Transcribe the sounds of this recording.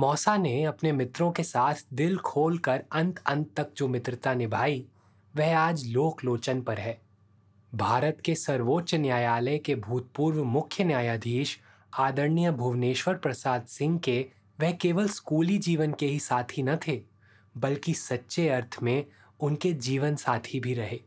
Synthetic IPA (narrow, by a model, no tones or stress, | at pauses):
mɔːsaneɐpnemɪt̪ɾõkesaːt̪ʰd̪ɪlkʰoːlkəɾɐ̃nt̪ɐ̃nt̪ːɐk̚d͡ʒoːmɪt̪ɾɪt̪anɪbʱaːi | ʋɛɦaːd͡ʒloːkloːt͡ʃənpɐɾɦɛː | bʱaːɾət̪kesɐɾʋoːtːʃnjaːjaːləkebʱuːt̪̚puːɾʋmʊkʰjənjaːjaːd̪ʱiːʃ | aːd̪əɾnijəbʱuʋneːʃʋəɾpɾɐsaːd̪sɪ̃ŋɡke | ʋɛɦkeːʋəlskuːlid͡ʒiːʋənkeɦisaːt̪ʰinɐt̪ʰeː | bɐlkisɐtːʃeɐɾt̪ʰmẽ | ʊnked͡ʒiːʋənsaːt̪ʰibʱiɾɐɦeː